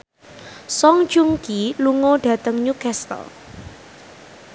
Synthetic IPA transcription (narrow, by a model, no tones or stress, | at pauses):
sɔŋ̥d͡ʒuŋkiluŋoɖ̥ä̤t̪əŋɲukɛst̪ə̰l